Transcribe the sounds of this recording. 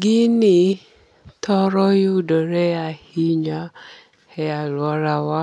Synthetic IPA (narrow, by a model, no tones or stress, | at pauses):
ɡɪnɪ | tʰɔɾɔjudɔɾeahiɲa | hɛalwɔɾawa